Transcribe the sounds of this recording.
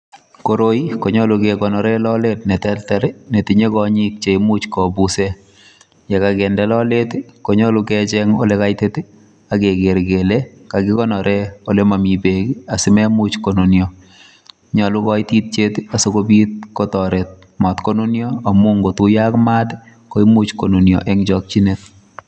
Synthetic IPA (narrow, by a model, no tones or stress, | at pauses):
koɾoikoɲɔlukekɔnɔɾelɔletnetɛltɛɾnetiɲekɔɲik̚t͡ʃemut͡ʃkɔbuse | jekakɛndɛlɔletkoɲɔlukɛt͡ʃɛŋo̰lekajteti | akeɡeɾɡelekakɪkɔnɔɾɛolemamibekiasɪmɛmut͡ʃkononjɔ | ɲɔlukɔitit̚t͡ʃetasokobit̚kotɔɾet̚ | mɔtkononjɔamuŋɡotujakmaːt | koimut͡ʃkononjɔ̰ʔɛŋd͡ʒɔk̚t͡ʃinet̚